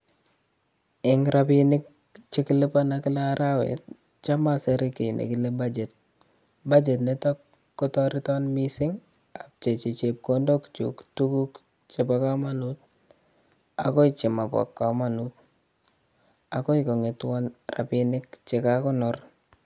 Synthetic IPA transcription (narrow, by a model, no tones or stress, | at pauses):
ɪŋɾapinɪk̚ | t͡ʃɪkɪlɪpanakɪleaɾʔawḛt̚ | t͡ʃamasɛɾɪkenʔḛkɪlebad͡ʒɛt̚ | bad͡ʒɛtnɪtɔkː | ɔtɔɾɪtɔnmisɪŋ | ap̚t͡ʃet͡ʃet͡ʃep̚kondokt͡ʃṵktukuk | t͡ʃepakamanut̚ | akɔit͡ʃɪmapɔ̰kːamanut̚ | akɔikɔŋetwanra̰pinɪkt͡ʃɪkakɔnɔr